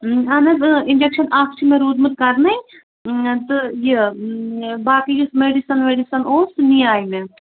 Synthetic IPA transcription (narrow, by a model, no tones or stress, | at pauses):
ɐnɐzɪnd͡ʒekʃɐnʔaːkʰt͡ʃʰimeɾuːd̪mɨt̪̚kɐɾnɐi | t̪ɨje | baːkid͡ʒusmeɖisɐnmeːɖisɐnoːsniaːjme